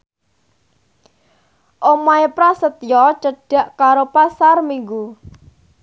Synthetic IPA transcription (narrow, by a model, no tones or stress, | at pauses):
ʔomaepɾasət̪jɔt͡ʃəɖ̥a̤ʔkaɾopasarmiŋɡu